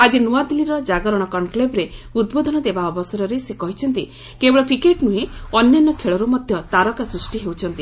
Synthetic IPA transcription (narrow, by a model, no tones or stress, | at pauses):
ad͡ʒinuad̪iliɾɔd͡ʒaɡɔɾɔɽ̃ɔkɔnklebɾeud̪bod̪ʱɔnɔd̪ebaɔbɔsɔɾɔɾesekɔɦit͡ʃʰɔnt̪i | kebɔɭɔpʰikeʈnueɔnjanːɔkʰeɭɔɾumɔd̪ʱjɔt̪aɾɔkasɾusʈiɦewt͡ʃʰɔnt̪i